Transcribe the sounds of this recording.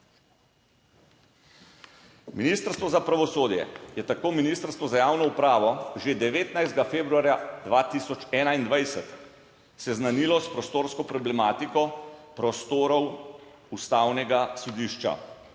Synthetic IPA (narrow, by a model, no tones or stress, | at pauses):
miniːst̪əɾst̪ʋɔzapɾaʋɔsoːd̪jɛ̰jɛt̪akoːminiːst̪əɾst̪ʋɔzajaːwnɔupɾaːʋɔʒed̪ɛʋeːt̪najzd̪̚ɡafeːbɾuaːɾjad̪ʋat̪isɔt͡ʃɛːnaind̪ʋajsɛt̪ | sɛznaniːlɔspɾɔst̪oːɾskɔpɾɔblɛmaːt̪ikɔpɾɔst̪oːɾɔw | ust̪aːwnɛɡasɔd̪iːʃt͡ʃa̰